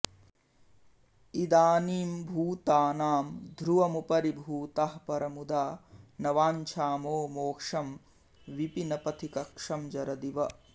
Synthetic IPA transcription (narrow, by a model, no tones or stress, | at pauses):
id̪aːniːmbʱuːt̪aːnaːmd̪ʱɾuʋɐmupɐɾibʱuːt̪aɦɐpɐɾɐmud̪aːnɐʋaːɲt͡ʃʰaːmoːmoːkʂɐm | ʋipinɐpɐt̪ʰikɐkʂɐmd͡ʒɐɾɐd̪iʋɐ